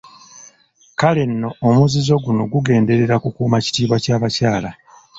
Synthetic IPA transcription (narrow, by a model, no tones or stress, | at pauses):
kale̞nːo̞ːmuzizo̞ɡuno̞ɡuɡe̞ːnde̞ɾe̞ɾakukuːmaci̥tiːβwacaːβacaːla